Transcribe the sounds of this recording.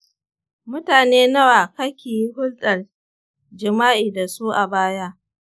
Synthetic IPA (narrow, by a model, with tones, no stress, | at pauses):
mʊ˦taː˨neː˦nɐ˦waː˨kɐ˦kʲeː˨ji˦hʊ˦lɗɐ˨r | d͡ʒɪ˨maː˦ʔiː˨da˨suː˦ʔa̰˨baː˦ja˦ʔ